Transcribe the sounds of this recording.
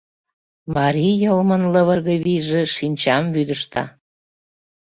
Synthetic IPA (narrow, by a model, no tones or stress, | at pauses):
mɑɾʲijəlmənləβə̆rɣə̆βiʒĕʃinʲt͡ɕɑmvyd̪əʃt̪ɑ̰